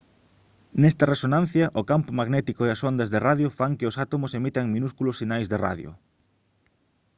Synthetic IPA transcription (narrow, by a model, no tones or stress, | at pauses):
nɛst̪ɐresonãn̟θjɐʔʊkampʊmaɣnɛt̪ikoeɐsond̪ɐzðɪraðjofaŋkɪʊsat̪omʊsemit̪ɐŋmĩnuskulʊsinajzðera̰ðjʊ̰